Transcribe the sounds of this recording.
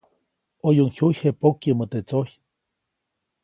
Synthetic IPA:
ojuŋhujhepokjəmət̪et͡soj

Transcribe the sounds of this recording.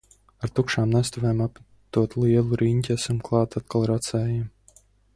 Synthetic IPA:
aɾt̪ukʃaːmnɛst̪ɔvɛːmap | t̪uɔt̪lˠiɛlˠuɾiɲʲt̪ʲɛsumklˠɑːt̪at̪̚kalˠɾat̪sɛːjam

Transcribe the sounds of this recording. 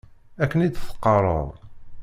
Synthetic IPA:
ækːənid̪θə̥qːərˤə̰ðˤ

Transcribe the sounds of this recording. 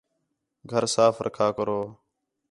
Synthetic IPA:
ɡʱəɾsaːfɾʔə̰kʰaːkəɾoː

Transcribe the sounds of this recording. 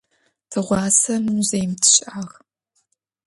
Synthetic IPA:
tʰɨʁʷɑːsɐnuːzejmtʰɨ̥ɕʔaːʁ

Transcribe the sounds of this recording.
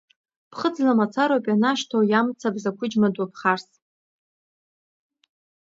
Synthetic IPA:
pʰχəd͡zlamat͡sʰaɾopʼanaʃtʰowjamt͡sʰabzakʷʰʊd͡ʒmadapʰχars

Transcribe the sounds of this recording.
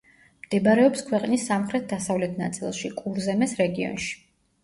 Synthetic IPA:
md̪̥ɛbaɾɛɔpskʰwɛqʼnisːamχɾɛt̪̚d̪asavlɛt̪ʰna̰t̪sʼḭlˠʃikʼuɾzɛmɛsɾɛɡiɔ̰nʃi̥

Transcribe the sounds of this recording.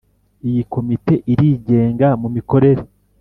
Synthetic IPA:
ijiko̞mite̞ʔiɾiɟe̞ːŋɡamumiko̞ɾe̞ɾe

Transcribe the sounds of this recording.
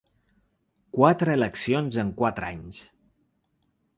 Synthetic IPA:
kwat̪ɾəːləksionzəŋkwat̪ɾa̰ɲs

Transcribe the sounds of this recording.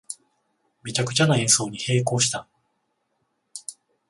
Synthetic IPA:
bʲit͡ɕakɯ̟̥t͡ɕanaẽɰ̃so̞ːɲ̟ihe̞ːko̞ːɕi̥t̪a

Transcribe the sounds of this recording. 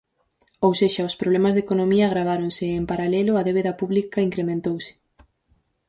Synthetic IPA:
owseʃaʊspɾoβlɛmazðekonomiɐɣɾaβ̞aɾonsɪːmpaɾalɛlʊaðeβeðɐpuβlikɐiŋkɾemẽnt̪owsɪ̥

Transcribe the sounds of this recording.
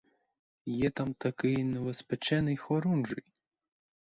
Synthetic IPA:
jɛt̪amt̪akɨjnʲɛvɛspʲɛt͡ʃɛnɨjxɔɾunʐɨj

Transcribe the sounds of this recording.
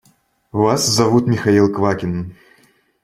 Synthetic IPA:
vaszavut̪mʲixailˠkvakʲin

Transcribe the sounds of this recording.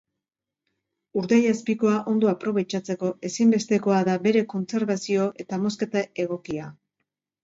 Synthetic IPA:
uɾðejaspiko̞aʔo̞nd̪oapɾo̞β̞e̞t͡ʃat͡se̞ko̞e̞simbe̞st̪e̞ko̞aðabe̞ɾe̞ko̞nt͡se̞ɾβasio̞ʔe̞t̪amo̞s̬ke̞t̪ae̞ɣ̞o̞kia

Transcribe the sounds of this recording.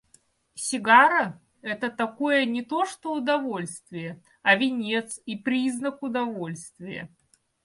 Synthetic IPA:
sʲɪɡaɾə | ɛt̪ət̪ɐko̞jənʲɪt̪o̞ʂt̪oʊd̪ɐvo̞lʲst̪vʲɪjə | ɐvʲɪnʲet̪sipɾʲiznəkʊd̪ɐvo̞lʲst̪vʲɪjə̰

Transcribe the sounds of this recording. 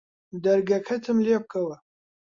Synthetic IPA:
d̪ɐɾɡɐkʰɐt̪ʰɨmleːp̚kʰɐwɐ

